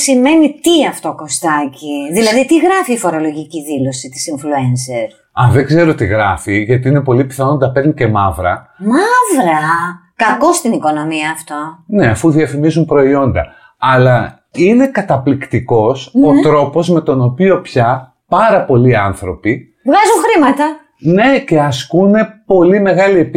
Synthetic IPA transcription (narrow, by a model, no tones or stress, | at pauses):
sime̞nit̪iɐft̪o̞ko̞st̪ɐciðilɐðit̪iɣɾɐfiːfo̞ɾo̞lo̞ʝiciðilo̞sit̪i̥siɱfluenseɾ | ɐðe̞ɡze̞ɾot̪iɣɾɐfiʝɐt̪iine̞po̞lipi̥θɐno̞nd̪ɐpeɾnice̞mɐvɾɐ̰mɐvɾɐkɐko̞st̪iniko̞no̞miɐːft̪o̞ne̞ɐfuðiɐfimizumpɾo̞io̞nd̪ɐ̰ | ɐlɐ | ine̞kɐt̪ɐplikt̪iko̞sot̪ɾo̞po̞zme̞t̪o̞no̞pio̞pçɐ | pɐɾɐpo̞liɐnθɾo̞pi | vɣɐzuŋxɾimɐt̪ɐ | ne̞ce̞ɐskune̞po̞lime̞ɣɐlie̞pi